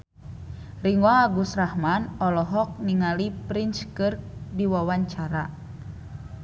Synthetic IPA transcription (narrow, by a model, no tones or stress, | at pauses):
riŋwaːɡusrahmanɔlɔɦɔk̚niŋalipɾint͡ʃkɨrdiwawaɲt͡ʃaɾa